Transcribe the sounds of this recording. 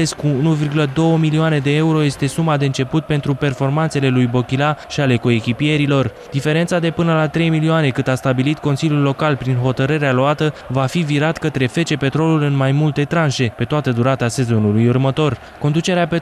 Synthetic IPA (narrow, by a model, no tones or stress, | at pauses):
eskuunuvirɡuləd̪o̞wəmilioane̞d̪e̞euɾo̞je̞st̪e̞sumad̪eɨnt͡ʃe̞put̪̚pe̞nt̪ɾupe̞rfo̞rmant̪se̞le̞lujbo̞kʲilaʃiale̞ko̞ekʲipie̞ɾilo̞r | d̪̥ife̞ɾe̞nt̪sad̪e̞pɨnəlat̪ɾe̞jmilioane̞kɨnd̪ast̪abilit̪ko̞nsiljulːo̞kalpɾinɦo̞t̪əɾɨɾealoat̪əvafiviɾat̪kət̪ɾe̞fe̞t͡ʃe̞pe̞t̪ɾo̞lulɨnmajmult̪e̞t̪ɾanʃe̞pe̞t̪oat̪əd̪uɾat̪əase̞zo̞nulujurmət̪o̞r | ko̞nd̪ut͡ʃe̞ɾeape